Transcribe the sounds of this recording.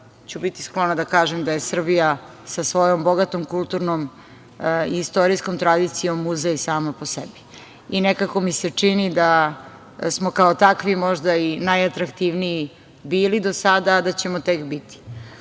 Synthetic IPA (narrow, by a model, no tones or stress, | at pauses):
t͡ɕubit̪i̥sklˠonad̪akaːʒemd̪aje̞sr̩bija | sasʋo̞jomboɡat̪omkulˠt̪uɾnom | ist̪oɾijskomt̪ɾad̪it̪sijo̞mːuzeisaːmaposebi̥ | inekako̞mise̞t͡ʂinid̪a | smo̞kaot̪akʋimo̞ʒd̪ainajat̪ɾakt̪iʋnii | biːlid̪o̞sad̪aːd̪at͡ɕe̞mot̪ekbit̪i̥